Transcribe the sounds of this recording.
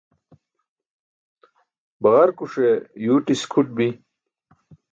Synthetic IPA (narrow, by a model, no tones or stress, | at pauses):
bɐʁɐɾkuʂejuːʈiskʰuʈ̚bi